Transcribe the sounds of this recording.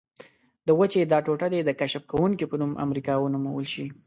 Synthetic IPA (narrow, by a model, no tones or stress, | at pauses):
d̪əwət͡ʃed̪ɑʈoʈad̪ed̪əkaʃəfkawuŋkipənumʔa̰mɾikɑwənumawəlʃi